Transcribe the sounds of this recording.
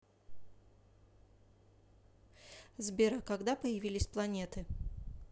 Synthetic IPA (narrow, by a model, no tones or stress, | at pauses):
zbʲɪɾəkɐɡd̪apəjɪvʲilʲɪsʲplˠɐnʲe̞t̪ɨ